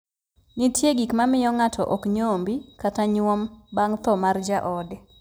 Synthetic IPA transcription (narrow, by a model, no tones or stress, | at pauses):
nitjeɡikmamɪjɔŋatʰɔʔɔkɲombikataɲwɔmbaŋt̪ɔmard͡ʒaʔɔdɛ